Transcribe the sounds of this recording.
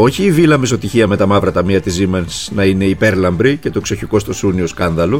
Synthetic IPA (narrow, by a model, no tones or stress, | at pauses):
o̞çiːvilɐmeso̞t̪içiɐme̞t̪ɐmɐvɾɐt̪ɐmiɐt̪izimɐnsnɐine̞ipe̞ɾlɐmbɾice̞t̪o̞kso̞çiko̞st̪o̞sunio̞skɐnðɐlo